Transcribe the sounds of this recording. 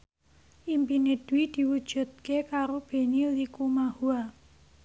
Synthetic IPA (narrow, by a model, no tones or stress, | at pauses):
ʔimpined̪̥wid̪̥i̤wud̥ʒ̥ṳt̪̚kekaɾob̥e̤nilikumahua